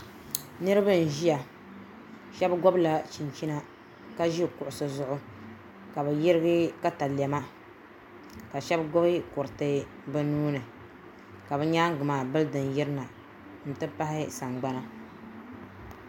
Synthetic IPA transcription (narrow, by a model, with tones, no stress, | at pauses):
nɨ˦ɾɨ˦bɨ˦n̩˨ʒi˦ja˨ | ʃɛ˦bɡɔ˦bla˨t͡ʃi˨n˨t͡ʃi˦na˦ | ka˦ʒi˦˨kʊ˨ʔʊ˨sɨ˨zʊ˦ʔʊ˦ | ka˨bɨ˨ji˦ɾɨ˦ɡɨ˦ka˦ta˨lɛ˨ma˦ | ka˨ʃɛ˦bɡɔ˦bɨ˦kʊ˨ɾtɨ˦ | bɨ˦nuː˦nɨ˨ | ka˨bɨ˦ɲaː˦ŋ˦ɡʊ˨maː˨bɨ˦ldɨ˨nji˦ɾɨ˦na˨ | n̩˨tɨ˦pa˦hɪ˦sa˨ŋɡ͡ba˦na˦